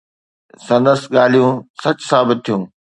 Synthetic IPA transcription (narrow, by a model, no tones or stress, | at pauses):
sɐ̃nd̪əsɠaːl̤ijũːsɐt͡ɕsaːbɪt̪̚ʰːijũː